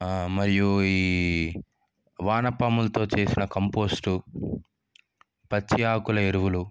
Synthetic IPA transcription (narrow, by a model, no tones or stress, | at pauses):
mɐɾijuiː | ʋaːnɐpːɐːmulɐt̪o̞ːt͡ʃe̞ːsinɐkɐmpo̞ːsʈu | pɐt͡ʃːiaːkulɐeɾuʋulu